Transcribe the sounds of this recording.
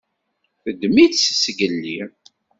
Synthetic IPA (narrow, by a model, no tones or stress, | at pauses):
θəd̪miθsəsɡəlːi